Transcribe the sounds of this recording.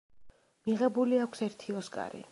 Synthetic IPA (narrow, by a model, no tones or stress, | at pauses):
miʁɛbuliakʷʰsɛɾt̪ʰiɔskʼa̰ɾḭ